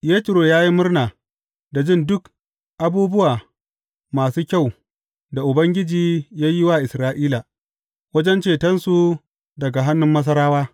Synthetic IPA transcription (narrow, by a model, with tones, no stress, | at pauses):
jeː˦tʊ˨ɾoː˨jaː˦ji˦mʊ˦rnaː˨ | da˨d͡ʒɪ˦˨ndʊ˦k | ʔa˨buː˦bʊ˦waː˨ | maː˨suː˦kʲa˦˨w | da˨ʔʊ˨bɐ˦ŋɡʲɪ˦d͡ʒiː˨jaː˦jɪ˦waː˦˨ʔɪ˨sɾaː˦ʔiː˦la˨ | wɐ˦d͡ʒɛ˦nt͡ʃeː˨tɐ˦nsu˨ | dɐ˨ɡa˨ɦa˦nːʊ˦mːɐ˦s̬ɐ˦ɾaː˦waː˦